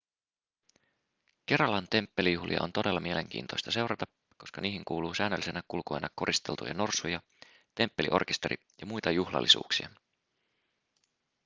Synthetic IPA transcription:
k̟e̞ɾɑlɑnt̪e̞mpːe̞lijuhliɑ̰o̞̰nt̪o̞delːɑmieleŋk̟ḭːnt̪o̞jst̪ɑse̞wɾɑt̪ɑ | ko̞skɑniːɦiŋkuːluːsæːnːølːisenækulko̞jnʔɑkːo̞ɾʔist̪e̞lt̪ṵjɑ̰no̞rsujɑ | t̪e̞mpːe̞lḭʔo̞̰rk̟est̪e̞ɾʔḭ | jɑmujt̪ɑjuxlɑ̰lːisṵːksiɑ

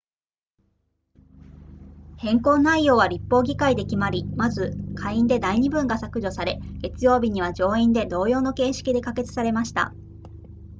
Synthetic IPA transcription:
hẽ̞ŋko̞ːnːaijo̞ːβaɾʲipːo̞ːɡʲikaid̪e̞kʲimaɾʲimazɨkʰaiĩnd̪e̞d̪aiɲ̟ibɯ̟̃ŋɡasakɯ̟ʑo̞saɾe̞ɡ̥e̞t͡sɨjo̞ːbʲiɲ̟iβad͡ʑo̞ːĩnd̪e̞d̪o̞ːjo̞ːno̞ke̞ːɕi̥kʲid̪e̞kake̞t͡sɨ̥saɾe̞maɕi̥t̪a̰

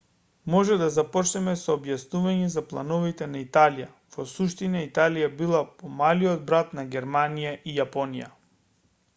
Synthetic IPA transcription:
mɔʒɛd̪azapɔt͡ʃnɛmɛsɔːbjasnuvaɲɛzaplˠa̰nɔvit̪ɛnait̪alija | v̥ɔsuʃt̪inait̪alijabilˠapɔmaliɔd̪̚bɾat̪naɡʲɛɾmanijaʔijapɔnija̰

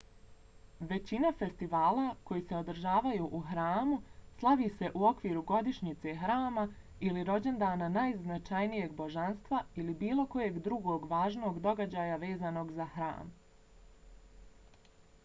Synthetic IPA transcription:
ʋe̞t͡ɕinafe̞st̪iʋaːlˠako̞jise̞o̞d̪ɾ̩ʒaːʋajuːʔuxɾaːmuslˠaʋise̞ʔuo̞kʋiːɾuɡo̞d̪iʃɲit̪se̞xɾaːma | iliɾo̞d͡ʑe̞nd̪aːnanajznat͡ʃajnije̞ɡ̚bo̞ʒanst̪ʋailibiːlˠo̞ko̞je̞ːɡd̪ɾuɡo̞ːɡʋaːʒnoːɡd̪o̞ɡad͡ʑaːjaʋe̞ːzaːno̞ːɡzahɾa̰ːm

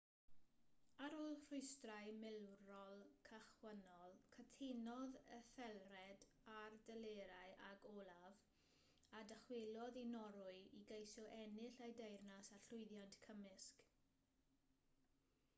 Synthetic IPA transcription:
aɾoːlˠr̥ʊɨstraɨmɪlwrɔlˠkʰaχwənɔlˠkʰətʰenɔðəθɛlˠrɛd | ardəleːɾaɨʔaɡɔːlˠav | adəχwelˠɔðinɔɾʊɨiɡejsɔʔɛnɪɬajdejrnasarɬʊɨðjantkʰəmɪsk

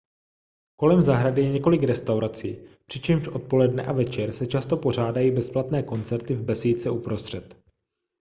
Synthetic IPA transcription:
ko̞lɛmzaɦɾadɪjɛɲɛko̞lɪkɾɛst̪awɾat͡siːpr̝̥ɪt͡ʃɛmʃʔo̞t̪̚po̞lɛdnɛʔavɛt͡ʃɛɾsɛt͡ʃast̪o̞po̞r̝aːdajiːbɛsplat̪nɛːko̞nt͡sɛɾt̪ɪvbɛsiːt͡sɛupɾost̪r̝̥ɛt̪

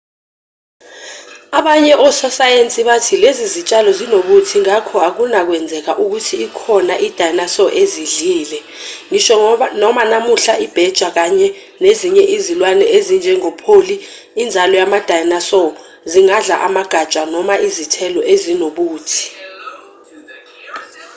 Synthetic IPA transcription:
aɓaɲɛʔɔsɔsajent͡sʼiɓatʰilezizit͡ʃʼalɔzinoɓutʰiŋakʰɔak̬unak̬wɛnd͡zʱɛk̬aʔuk̬utʰiːkʰɔnaʔid̥ʱajnasɔʔeziɮiːlɛ | ŋiʃɔnɔmanamuɬaʔib̥ʱɛd̥ʒ̥ʱwak̬aɲɛ | neziɲɛʔizilwanɛezind͡ʒʱɛŋɔpʰoliː | nd͡zʱalɔjamad̥ʱajnasɔ | ziŋaɮa̰ʔamaɡ̥ʱḁt͡ʃʼanɔmaʔizitʰɛlɔʔezinoɓuːtʰi̥

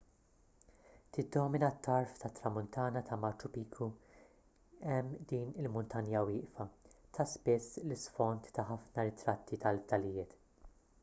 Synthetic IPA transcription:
t̪ɪd̪ːɔːmɪnɐt̪ːɐɾft̪ɐt̪ːɾɐmʊnt̪ɐːnɐt̪ʰɐmɐɾt͡ʃʊpiːkʰu | ɛmːd̪iːnɪlmʊnt̪ɐnjɐwɪːʔfɐt̪ʰɐspɪsːlɪsfɔnt̪ːɐħɐfnɐɾɪt̪ɾɐt̪ːit̪ɐlt̪ɐlɪjɪːt̪

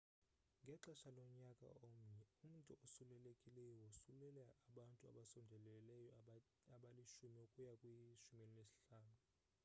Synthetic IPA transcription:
ŋɡʱɛǁaʃalɔɲakʼa̰omum̩ntʼuʔosulɛlekʼilɛjɔwɔsulɛlɛaɓantʼua̰ɓasɔndʱɛlɛlɛjɔ | aɓaliʃumiokʼujakʼwiʃumenilesi̥ɬaːnu

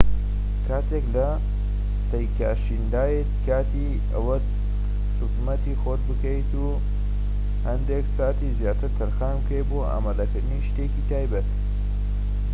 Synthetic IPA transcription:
kʰaːt̪ʰeklɐ | st̪ɐjkaːʃind̪aːjet̪kʰaːt̪ʰi | ɐ̰wɐt̪ | xɨzmɐt̪ixoːt̪̚bɨkɐjt̪u | hɐnd̪eksaːt̪iːzjaːt̪ɨɾt̪ʰɐɾxaːmkejt̪boːʔa̰ːmad̪ɐkɨɾd̪ɨniʃt̪eːkiːt̪ʰaːjbɐt̪

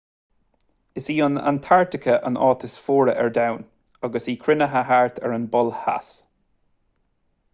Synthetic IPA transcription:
ɪsiːʊna̰nt̪ʰaɹtɪkʰəʔə̰nɔːt̪ʰɪsfoːɹəʔɛɹdawn | aɡəsiːkʰɾɪnəɦaɦaɹt̪ʰɛ̰ɹənbɔlha̰s

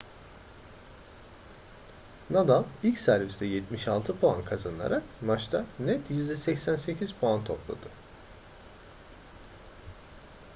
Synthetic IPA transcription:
nad̪alˠilʲcsæɾvist̪ɛjɛt̪miʃalˠt̪ʰɯpʰoa̰nkʰazanlˠa̰ɾakmat͡ʃt̪ʰanɛt̪jyzd̪ɛsɛcsænse̞cʰiz̥pʰoant̪ʰo̞plˠa̰d̪ɯ

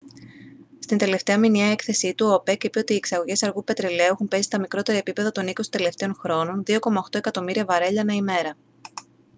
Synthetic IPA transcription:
st̪ind̪e̞le̞ft̪e̞ɐminiɐe̞kθe̞sit̪uope̞kipeot̪iːeksɐɣo̞ʝe̞sɐɾɣupe̞t̪ɾele̞uexumpe̞sist̪ɐmikɾo̞t̪e̞ɾɐepipe̞ðɐt̪o̞nikost̪ele̞ft̪e̞onxɾo̞no̞nðio̞ko̞mɐoxt̪o̞e̞kɐt̪o̞miɾiɐvɐɾe̞ʎɐnɐime̞ɾɐ

